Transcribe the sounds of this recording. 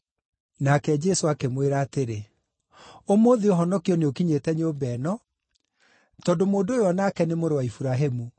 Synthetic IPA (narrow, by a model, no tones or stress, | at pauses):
nakɛd͡ʒɛsoakemweɾaːteɾe | omoðioɦɔnɔkiɔneokiɲetɛɲeobɛnɔ | tɔdomoːndoːjɔnakɛnemoɾowaifuɾaɦemu